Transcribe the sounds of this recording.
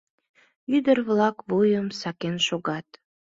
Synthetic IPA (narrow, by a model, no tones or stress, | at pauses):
yd̪ərβlɑkβojəmsɑkenʃoɣɑt̪